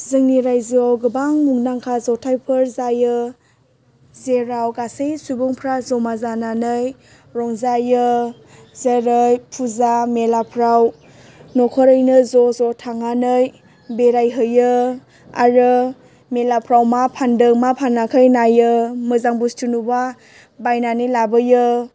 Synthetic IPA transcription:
zɯŋniɾajzɯawɡɯbaŋmuŋnaŋkʰazɔtʰajpʰɯɾzajɯ | zeɾawɡasejsubuŋpʰɾazɔmazananɯj | ɾɔŋzajɯ | zəɾɯjpʰuzamelapʰɾaw | nɔkʰɔɾəjnɯzɔzɔtʰaŋanɯj | beɾajɦəjɯ | aɾɯ | melapʰɾawmapʰandɯŋmapʰanːakʰɯjnajɯmɯzaŋbustunuba | bajnanilabɯjɯ

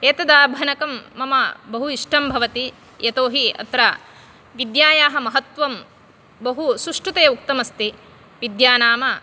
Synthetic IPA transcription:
eːt̪ɐd̪aːɾbʱɐnɐkɐmːɐmɐbɐɦuiʂʈʰɐmbʱɐʋɐt̪i | jɐt̪oːɦiɐ̰t̪ɾaː | ʋid̪jaːjaːɦɐ̆mɐɦɐt̪ʋɐm | bɐɦusɾuʂʈut̪eːuk̚t̪ɐmɐst̪i | ʋid̪jaːnaːmɐ

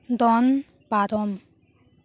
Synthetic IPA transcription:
d̪ɔn | pat̪ɔm

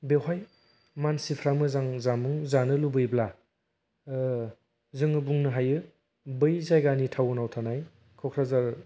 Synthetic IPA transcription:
bewɦaj | mansipʰɾamɯzaŋzamuŋzanɯlubɯjbla | zɯŋɯbuŋnɯɦajɯ | bɯjzajɡanitʰawnawtʰanaj | kʰɔkʰɾazaɾ

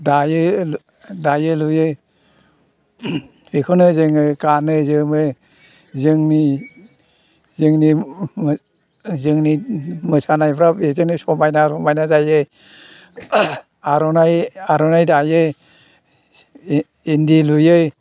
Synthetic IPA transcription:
dajɯ | dajɯlujɯj | bikʰɯnɯzɯŋɯkanɯzɯmɯ | zɯŋni | zɯŋni | zɯŋnimɯsanajbʰɾabek̚zɯŋnisɔmajnaɾɔmajnazajɯj | aɾɔnajaɾɔnajdajɯj | indilujɯj

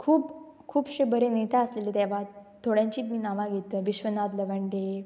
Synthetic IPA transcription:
kʰuːp | kʰuːbɕebəɾenet̪aəslelet̪aʋ̤at̪ʰːoɽjãɲt͡ɕiːt̪miːnaʋaɡʱet̪əʋiɕʋənat̪ləʋəɳɖe

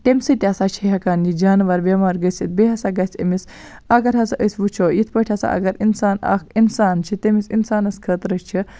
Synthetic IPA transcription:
t̪ʲemʲsɨt̪ʲasat͡ʃʰiɦɐkaːnjid͡ʒaːnʋɐɾbemaːɾɡɐsʲit̪̚beɦɐsaɡɐsʲemis | ɐɡɐɾɦɐsɨʔəsʲʋut͡ʃʰoːjit̪ʰpəʈʲʰasa̰ʔɐ̰ɡɐɾinsaːnɐ̰kʰinsaːnt͡ʃʰit̪ʲemisinsaːnɐskʰət̪ɾət͡ʃʰi

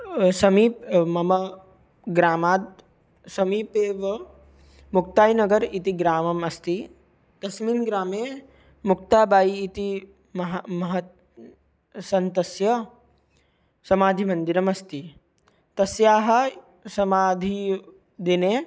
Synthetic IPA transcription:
sɐmiːpmɐmɐ | ɡɾaːmaːd̪ | sɐmiːpeːʋɐ | muk̚t̪aːjnɐɡɐɾit̪iɡɾaːmɐmɐst̪i | d̪̥ɐsmiːnɡɾaːmeː | muk̚t̪aːbaːiːt̪i | mɦmɐɦɐt̪ | sɐnt̪ɐsjɐ | sɐmaːd̪ʱimɐnd̪iɾɐmɐst̪i | t̪ɐsjaːɦɐ̆ | sɐmaːd̪ʱi | d̪ineː

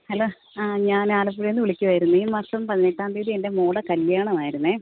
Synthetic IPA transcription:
hɐloː | aɲaːnaːlɐp̬ːuɽijonːuʋiɭikʲːuʋɐjiɾunːuimɐsɐmpɐðineʈːaːnd̪iʋd̪iende̞mo̞ːɽɐkɐljaːɳɐnaːjiɾunːe

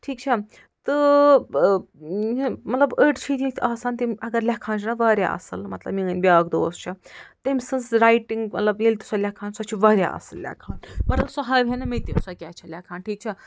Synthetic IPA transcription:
ʈʰiːk̚t͡ʃʰɛ | t̪ɨ | mɐt̪lɐbəʈt͡ʃʰit̪ĩt̪ʰaːsaːnt̪imɐɡɐɾlʲakʰãːnt͡ʃʰnɐʋaːɾja̰ʔɐ̰sɨ̰lmɐt̪lɐ̰bmiɡənʲbʲjaːɡd̪oːst͡ʃʰit̪emʲsɨnsɾajʈiŋɡmɐ̰t̪lɐbjilt̪u̥sɐlʲakʰaːnsɐt͡ʃʰiʋaːɾʲja̰ʔɐ̰sɨllʲa̰kʰaːnmɐt̪lɐbsɐɦaːjbʱʲenɐmit̪isɐkʲat͡ʃʰɐlʲakʰaːnʈʰiːk̚t͡ʃʰɛ

